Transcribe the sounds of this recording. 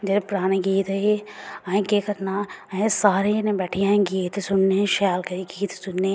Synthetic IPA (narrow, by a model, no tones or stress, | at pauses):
d͡ʒɐɾepɾaːnẽɡiːt̪ɐiɐĩkekɐɾnaːɐẽsaːɾenẽbɛːʈʰiãɡiːt̪sʊnneʃaːlkɐɾiɡiːt̪sʊnːe